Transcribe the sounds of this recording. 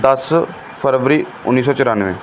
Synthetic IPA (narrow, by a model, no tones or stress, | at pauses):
d̪əs | pʰəɾʋəɾiː | ʊ̰nːiːs̬ɔːt͡ʃʊɾaːnʋḛ̃ː